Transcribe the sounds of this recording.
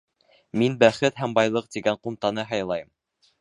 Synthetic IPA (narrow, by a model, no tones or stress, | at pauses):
minbæχɘt̪ɦæmbɑjlˠɤq̚t̪iɡæɴqumt̪ɑnɤɦɑjlˠɑjɤm